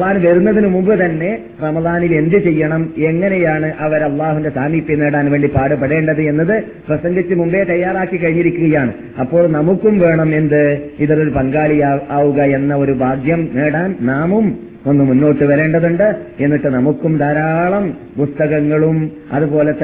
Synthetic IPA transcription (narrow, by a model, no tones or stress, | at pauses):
ðaːnʋɐɾunːɐðinɨmumbɨt̪ɐnːe̞ | rɐmɐðaːnile̞nd̪it͡ɕe̞jːɐɳɐme̞ŋːɐnejaːɳɨʔɐʋɐɾɐlˠːaːɦuinde̞saːmiːpːjine̞ːɽaːnʋe̞ːɳɖipaːɽɨpːɐɽe̞ːɳɖɐðɨe̞nːɐðɨ | prɐsɐŋɡit͡ɕːɨmumbe̞t̪ɐjːaːraːkːikːɐɻiɲːiɾikʲːuɣɐjaːɳɨ | ɐpːo̞ːɭnɐmukːumʋe̞ːɳɐme̞nd̪ɨiðɐɾoɾupɐŋɡaːɭijaaːʋuɣɐe̞nːɐo̞ɾubʱaːɡjɐmneːɽaːnnaːmum | o̞nːɨmunːo̞ːʈːɨʋɐɾe̞ːɳɖɐðuɳɖɨe̞nːiʈːɨnɐmukːumd̪ɐɾaːɭɐm | pust̪ɐɣɐŋːɐɭum | ɐ̰ðupo̞ːlet̪ː